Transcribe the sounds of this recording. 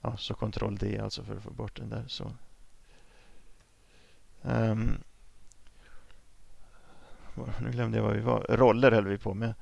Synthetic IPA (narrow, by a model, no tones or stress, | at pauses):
ʔɑːsɔkʰɔnt̪ʰɾʔɔ̰ld̪ɪa̰lt̪sɔfœɾɔfo̰ːbɔʈːd̪ɛnd̪æːɾsɔ̰ | vnʉ̟ːɡlɛmd̪əjavaɾvɪva̰ɾɔlːəɾhœld̪əvɪpʰɔmɛ